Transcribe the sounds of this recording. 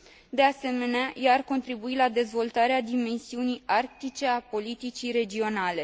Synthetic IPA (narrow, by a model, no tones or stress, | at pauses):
d̪e̞ase̞me̞neajearko̞nt̪ɾibuilad̪e̞zvo̞lt̪aɾead̪ime̞nsiunijʔark̚t̪it͡ʃe̞apo̞lit̪it͡ʃiɾe̞d͡ʒio̞nale̞